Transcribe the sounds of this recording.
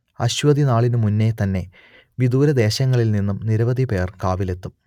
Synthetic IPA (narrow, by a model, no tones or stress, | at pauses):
ɐɕʋɐd̪inaːɭinɨmunːe̞t̪ɐnːe̞ | ʋid̪uːɾɐd̪e̞ːɕɐŋːɐɭilninːumniɾɐʋɐd̪ʱipe̞ːrkaːʋile̞t̪ːu